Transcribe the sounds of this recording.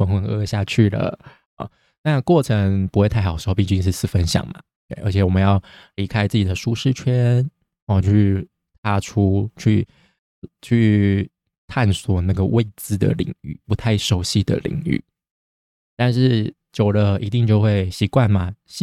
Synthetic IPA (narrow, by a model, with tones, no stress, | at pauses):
ə˧˥ŋxwə˧˥ŋɤ˥ɕja˥˧t͡ɕʰy˥˩lə̰˩ | ɔ̰˨˩ | na˥˧kwɔ˥˩ʈ͡ʂʰə˧˦ŋpu˧˥xwe˥˧ɪ˥˩xɑ˨˩ʂ̩˧˥˧pi˥˩t͡ɕy˥nʂ̬ɻ̩˥˧sɹ̩˥˩fə˦˥nɕjɑ̰˨˩ŋma̰˨˩ | t̪we˥˩ɪʔə˞˧˥t͡ɕʰɛ˨˩wɔ˨˩mə˦njɑ˥˩ʊli˧˥kʰa˥ɪt͡sɹ̩˥˩t͡ɕi˨d̪ə˩˦ʂu˥ʂɻ̩˥˩t͡ɕʰɥɛ˥nʰ˥˧˩ | y˥˩ | t̪ʰa˥ʈ͡ʂʰu˥t͡ɕʰy˥˧ | t͡ɕʰy˥˧ | t̪ʰa˥˩nswɔ˨˩na˥˩ɡə˩wʔe˥˩ɪt͡sɹ̩˧˥d̪ə̰˨lḭ˨˩ŋy̰˥˩pu˧˥t̪ʰa˥˩ɪʂo˧˥ʊɕi˥˩d̪ə̰˨˩lḭ˨˩ŋy̰˥˩ | t̪a˥˧nʂɻ̩˥˩ | t͡ɕjo˨˩ʊlə˦i˧˥t̪i˥˧ŋt͡ɕjo˥˧ʊxwe˥˩ɪɕi˨˧˥kwa˥˩nma˩ɕ